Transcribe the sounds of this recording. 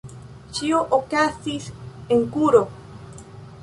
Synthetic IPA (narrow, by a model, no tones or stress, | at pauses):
t͡ʃioʔokasiseŋkuɾo